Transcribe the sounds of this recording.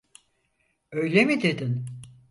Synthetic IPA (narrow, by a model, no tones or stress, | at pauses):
ø̞jlʲemid̪e̞d̪in